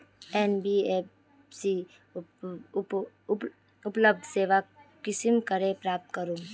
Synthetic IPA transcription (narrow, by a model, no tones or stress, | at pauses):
enbiep | si | ʊpləb̚d̪ʱseːʋakːɪsimkəɾẽpɾaːp̚t̪kəɾũː